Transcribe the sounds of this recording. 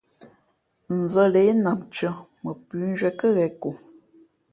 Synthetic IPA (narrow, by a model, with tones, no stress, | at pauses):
n̩˨zə˦le˨˦na˨mt͡ʃə˦mə˨pʉ˨˦n̩˦d͡ʒwɛ˨˦kə˦ɣɛ˨ko˨